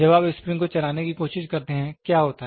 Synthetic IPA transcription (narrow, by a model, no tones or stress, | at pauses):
d͡ʒɐbaːbɪspɾɪ̃ŋɡkot͡ʃɐɾaːnekikoːʃɪʃkɐɾt̪eɦɛ̃kjaːɦoːt̪aɦ